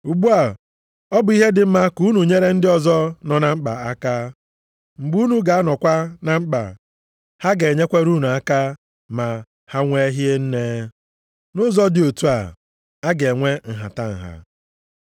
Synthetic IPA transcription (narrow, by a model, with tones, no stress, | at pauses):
u˨ɡ͡bu˦a˨ | ɔ˦bʊ˨i˦ɦe˦dɪ˨m̩˦ma˦ku˦nu˨ɲe˦ɾe˦n̩˦dɪ˦ɔ˨zɔ˦nɔ˨na˨ŋ͡m̩˦k͡pa̰˨a˦ka˦ | ŋ͡m̩˨ɡ͡bu˦nu˦ɡa˨a˦nɔ˨kʷa˦na˨ŋ͡m̩˦k͡pa̰˨ | ha˦ɡe˨ɲe˦kʷe˦ɾu˦nu˨a˦ka˦ | ma˨ | ha˦ŋʷe˦ɦje˦n̩˦ne˦ | nʊ˦zɔ˦dɪ˨o˨tu˦a˨ | a˦ɡe˨ŋʷe˦ŋ̩˨ɦa̰˨ta˦ŋ̩˨ɦa̰˨